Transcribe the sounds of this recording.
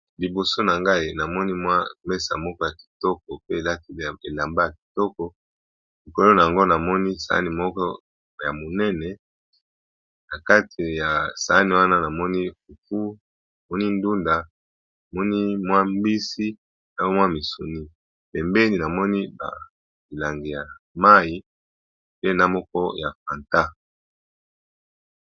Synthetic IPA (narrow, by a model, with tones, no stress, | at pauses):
li˨bo˨so˦na˨ŋɡa˦i˦˨na˨mɔ˦ni˦mwa˦mɛ˦sa̰˨mɔ˦kɔ˦ja˨ki̥˨tɔ˦kɔ˨pe˦˨la˦ti˨e˨la˨mba˦ja˨ki̥˨tɔ˦kɔ˨ | li˨ko˨lo˦na˨a˨ŋɡo˦na˨mɔ˦ni˦sa̰˨a̰˦ni˨mɔ˦kɔ˦ | ja˨mo˨nɛ˦nɛ˨ | na˨ka˦tʰi˨ja˨sa˨a˦ni˨wa˦na˦na˨mɔ˦ni˦fu˨fu˦ | nna˨mɔ˦ni˦ndu˦nda˨ | a˨mɔ˦ni˦mwa˦mbi˦si˦ | na˨˦o˦mwa˦mi˨su˨ni˦ | pɛ˨mbe˦ni˨na˨mɔ˦ni˦ba̰˨ | mi˨la˨ŋɡi˨ja˨ | ma˦i˨ | pe˦na˦mɔ˦kɔ˦ja˨fa˨nta˦